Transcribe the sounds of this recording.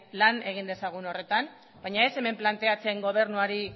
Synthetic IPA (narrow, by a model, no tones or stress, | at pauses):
lane̞ɣ̞ind̪e̞saɣ̞uno̞re̞t̪an | bajɲae̞se̞me̞mplant̪e̞at͡seŋɡo̞β̞e̞ɾnuaɾi